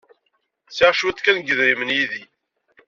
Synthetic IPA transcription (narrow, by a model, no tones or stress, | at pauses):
sɪʁʃuθkænɡəðɾimənjiði